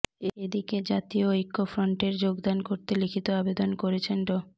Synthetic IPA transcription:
eed̪iked͡ʑat̪ioojkːofɾoɳʈeɾd͡ʑoɡd̪ankoɾt̪elikʰit̪oabed̪onkoɾet͡ɕʰenɖo

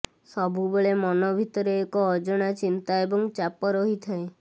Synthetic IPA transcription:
sɔbʱubɔɭemɔnɔbʱit̪ɔɾeːkɔːd͡ʒɔɽ̃at͡ʃint̪aebɔŋt͡ʃapɔɾɔɦit̪ʰae

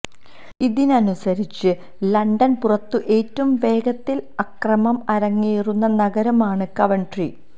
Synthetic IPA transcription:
iðinɐnusɐɾit͡ɕːɨ | lɐɳɖɐnpurɐt̪ːɨʔe̞ːtːɐmʋe̞ːɡɐt̪ːilɐkrɐmɐmɐɾɐŋːijirunːɐnɐɡɐɾɐmaːɳɨkɐʋɐɳɖri

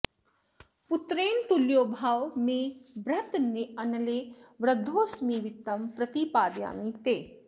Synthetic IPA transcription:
put̪ɾeːnt̪uljoːbʱaːʋmẽbɾɐt̪neɐnɐleʋɾɐd̪ʱːoːsmiʋit̪ːɐmpɾɐt̪ipaːd̪ja̰ːmit̪eː

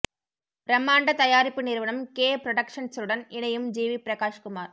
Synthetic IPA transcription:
ɾɐmːaːɳɖɐt̪ɐjaːɾɪpːɯnɪɾʋɐnɐmkeːpɾɐɽɐkʂɐnsɾɯɽɐnɪnɐjɯmd͡ʒiːʋipɾɐkaːʂkʊmaːɾ

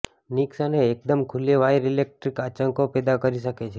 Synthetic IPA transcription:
niksaneːk̚d̪əmkʰuleʋajɾilek̚ʈɾikat͡ʃəŋkopɛd̪akəɾiʃəket͡ʃʰe

